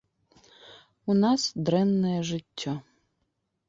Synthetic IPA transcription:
unɑsd̪ɾɛnːɛjɛʒɪtʲːɔ

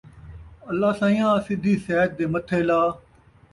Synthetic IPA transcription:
əlːaːsãːjãːsɪd̪ʱiːsɛːt̪̚d̪eːmət̪ʰːeːlaː

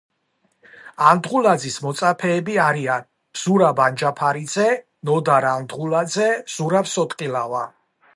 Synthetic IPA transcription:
and̪ʁulad̪zismɔt̪sʼapʰɛːbiaɾian | b̥z̥uɾaband͡ʒapʰaɾid̪zɛ | nɔd̪aɾand̪ʁulad̪zɛz̥uɾabsɔt̪ʼqʼilava

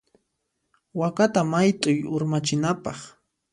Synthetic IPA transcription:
wakat̪amajt̪ʼʊjʊɾmat͡ʃɪnapɑχ

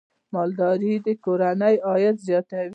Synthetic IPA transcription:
mɑld̪ɑɾid̪əkoɾanəjɑjat̪zjɑt̪aw

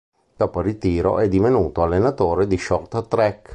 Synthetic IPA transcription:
d̪̥ɔːporit̪iːɾo̰ʔɛd̪ivenuːt̪oalːenat̪oːɾed̪iʃɔrt̪t̪ɾɛk

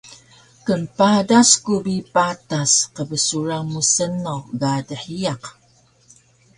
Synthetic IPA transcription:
kənpadaskubipatasqəbəsuɾaŋmusənoɡadəħiaq

